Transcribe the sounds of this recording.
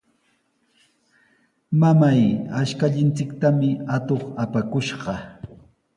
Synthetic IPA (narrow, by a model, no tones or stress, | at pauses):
mamajaʃkaʎɪnt͡sɪkt̪amɪat̪oχapakʊʃɢɑ